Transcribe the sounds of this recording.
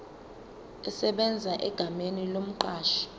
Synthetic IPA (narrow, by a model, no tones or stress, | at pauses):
ɛsɛɓɛnd͡zʱaʔɛɡ̥ʱamenilom̩ǃaːʃi̥